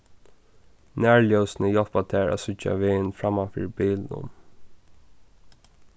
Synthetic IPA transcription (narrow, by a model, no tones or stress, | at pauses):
næːɹljœwsnəjɔlpat̪ʰæːɹa̰sʏt͡ʃːa̰ʋɪːnfɹamafḭɹbiːlnʊ̰m